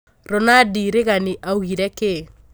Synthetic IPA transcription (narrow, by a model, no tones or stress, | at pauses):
ɾɔnadiɾɪɣanɪʔauɣiɾɛkɪ